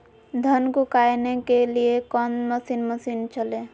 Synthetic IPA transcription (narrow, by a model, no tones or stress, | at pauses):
d̪ʱənɡukaːjnekeliekɔnməsiːnməsiːnt͡ʃəle